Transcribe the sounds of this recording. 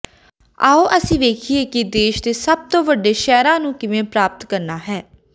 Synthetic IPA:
aːoːʔəsĩːʋeːkʰieːkɪd̪eːʃd̪eːsəb̚t̪õːʋəɖeːʃɛːɾãːnũːkɪʋẽːpɾaːp̚t̪kəɾnaːɦɛː

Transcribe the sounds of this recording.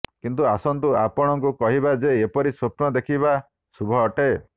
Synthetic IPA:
kint̪uasɔnt̪uapɔɽ̃ɔŋkukɔɦibad͡ʒeːpɔɾisupnɔd̪ekʰiba | subʱɔːʈe

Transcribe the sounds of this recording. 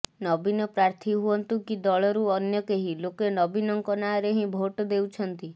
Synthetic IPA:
nɔbinɔpɾaɾt̪ʰiɦuɔnt̪ukid̪ɔɭɔɾuɔnjɔkeɦilokenɔbinɔŋkɔnaɾeɦĩbʱoʈɔd̪ewt͡ʃʰɔnt̪i

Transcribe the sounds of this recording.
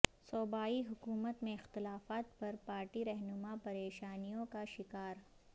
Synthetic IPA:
soːbaːiɦʊkuːmət̪mẽɪxt̪ɪlaːfaːt̪pɐɾpaːɾʈiɾɛɦnʊmapɐɾeːʃaːnijõkaʃɪkaːɾ

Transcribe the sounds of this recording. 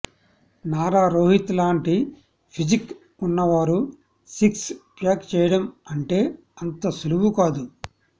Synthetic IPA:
naːɾaːɾoːɦit̪laːɳʈi | pʰid͡ʒik | unːɐʋaːɾu | sikspjaːkt͡ʃɛːjɐɽɐmɐɳʈe̞ː | ɐnt̪ɐsuluʋukaːd̪u

